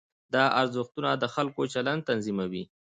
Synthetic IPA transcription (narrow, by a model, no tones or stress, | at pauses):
d̪ɑaɾzʊxt̪unad̪əxalkot͡ʃaland̪t̪anzimawi